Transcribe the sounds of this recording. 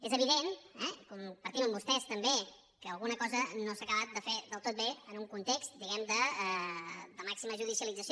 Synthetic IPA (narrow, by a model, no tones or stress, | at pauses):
ezəβiðenɛkumpəɾt̪iməmbust̪ɛst̪əmbe | kəːlˠɣunəkɔzənosakəβat̪̚d̪əfeðəlˠt̪ot̪̚beənuŋkunt̪ekst̪̚d̪iɣɛmd̪əɛd̪əmaksiməʒuð̞isiəlid͡zəs